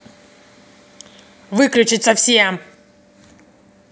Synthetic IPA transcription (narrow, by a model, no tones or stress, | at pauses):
vɨklʲʉt͡ɕɪt̪səfsʲem